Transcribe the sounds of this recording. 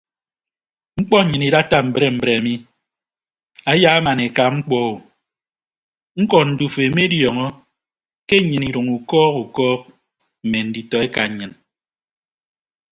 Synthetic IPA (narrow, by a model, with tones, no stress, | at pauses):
ŋ͡m̩˦k͡pɔ˦˨ɲɨ˨ni˨da˦ta˦m̩˨bɾe˦m̩˨bɾe˨a˨mi˦ | a˦ja˦a˦ma˨ne˨ka˨ŋ͡m̩˦k͡pɔ˦˨u˨ | ŋ̩˦kɔ˨n̩˨du˨fe˨me˦djɔ˨ŋɔ˦ | ke˦˨ɲɨ˨ni˨ɾu˨ŋu˨kɔː˦ku˨kɔː˦k̚ | m̩˨me˨n̩˨di˨tɔ˨e˦ka˨ɲɨ˨n